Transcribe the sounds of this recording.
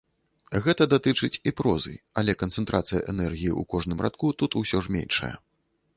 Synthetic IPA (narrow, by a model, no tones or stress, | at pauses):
ɣɛt̪ɐd̪at̪ɨt͡ʂɨt͡sʲipɾɔzɨ̰jɐlʲɛkɐnt̪sɛnt̪ɾʔat̪sɨjɐʔɛnɛrɣʲijiṵkɔʐnɨmrʔa̰t̪̚kut̪ut̪usʲɔʐmʲḛnʲʂɐ̰jɐ̰